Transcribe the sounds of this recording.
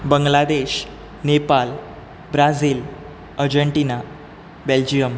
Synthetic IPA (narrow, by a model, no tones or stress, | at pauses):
bəŋɡlad̪eɕ | nepal | bɾad͡ziːl | əɾd͡ʑəɳʈina | beld͡ʑijəm